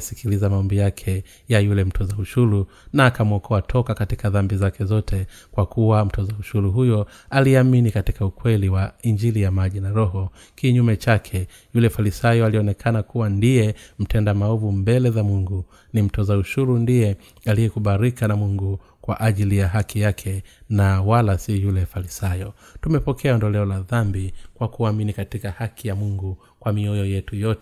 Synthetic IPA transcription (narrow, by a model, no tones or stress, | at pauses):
sikilizamaɔmbijakʰɛ | jajulɛm̩tʰɔzauʃuɾu | naːkamwɔkʰɔatʰɔkakatikaðambizakɛzɔtʰɛ | kwakuwam̩tɔzauʃuɾuɦujɔ | aliaminikatikaukwɛliwaiɲd͡ʒilijamaʄinaɾɔɦɔ | kiɲumɛt͡ʃakʰɛ | julɛfalisajɔaliɔnɛkʰanakuwandijɛm̩tʰɛndamaɔvumbɛlɛzamuŋɡu | nim̩tɔzauʃuɾundijɛ | alijɛkuɓaɾikanamuŋɡu | kwa̰ʔaʄilijaɦakʰijakʰɛnawalasijulɛfalisajɔ | tumɛpɔkʰɛaɔndɔlɛɔlaðambikwakuaminikatikahakʰijamuŋɡu | kwamiɔjɔjɛtujɔtɛ